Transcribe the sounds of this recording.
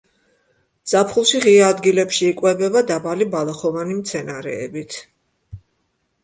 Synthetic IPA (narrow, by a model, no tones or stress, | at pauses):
z̥apʰχulˠʃiʁiaːd̪ɡilɛpʃiːkʼwɛbɛbad̪abalibalˠaχɔvanimt̪sʰɛnaɾɛ̰ːbit̪ʰ